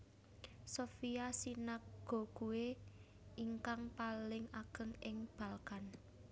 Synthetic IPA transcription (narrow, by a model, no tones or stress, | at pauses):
sofiasinak̚ɡ̥o̤ɡ̥uwe | iŋkaŋpalɪŋaɡ̥ə̤ŋɪŋb̥a̤lkan